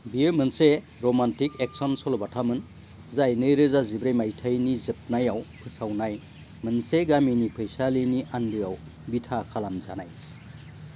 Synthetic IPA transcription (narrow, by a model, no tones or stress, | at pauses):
biɯmɯnse | ɾɔmantikek̚sɔnsɔlbatʰamɯn | zajnɯɾɯzazibɾajmajtʰajnizɯp̚najawpʰɯsawnaj | mɯnseɡaminipʰɯjsaliniʔandɯjaw | bitʰakʰalamza̰naj